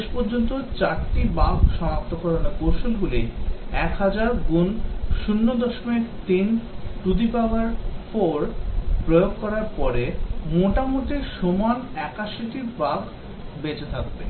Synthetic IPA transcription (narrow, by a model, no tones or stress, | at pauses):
eʃpoɾd͡ʑont̪ot͡ɕaɾʈibaɡʱʃɔmap̚t̪okɔɾonakowʃulɡuliɛkɦad͡ʑaɾɡunʃunːod̪ɔʃomeɾt̪inʈud̪ipaaɾfoɾpɾojoɡ̚kɔɾaɾpɔɾemoʈamoʈiʃomanɛkaʃiʈiɾbaɡ | bed͡ʑet̪ʰak̚be